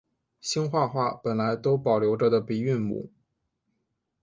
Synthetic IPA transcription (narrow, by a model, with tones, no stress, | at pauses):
ɕi˥ŋxwa˥˧xwa˥˩pə˨˩nla˧˥ɪt̪o˥ʊpɑ˨˩ʊljo˧˥ʊʈ͡ʂə˥˩d̪ə˨pi˨˩y˥˩nmṵ˨˩˦